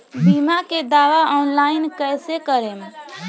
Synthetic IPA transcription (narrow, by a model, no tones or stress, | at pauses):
bimaked̪aʋaʔɔnlainkəjsekəɾem